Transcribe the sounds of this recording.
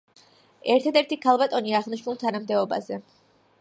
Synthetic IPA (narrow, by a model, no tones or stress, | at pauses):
ɛɾt̪ʰad̪ɛɾt̪ʰikʰalˠbat̪ʼɔniaʁniʃnulˠt̪ʰanamd̪ɛɔba̰zɛ